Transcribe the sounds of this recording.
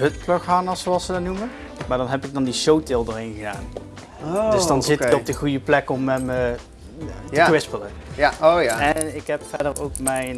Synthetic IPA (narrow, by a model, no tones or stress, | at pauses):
ɦɵtproxamɑsoɑlˠsədɑnumən | maːɹdɑnɦɛpɪɡ̚dɑndiʃowtɪlˠdəɹɪnχəda̰ːn | oddəsdɑnzɪtɪkɔb̚dəχujəplɛkɔmɛmə | atəkʋɪspələjaojaɛnɪkɦɛpfɛdərowkmɛjn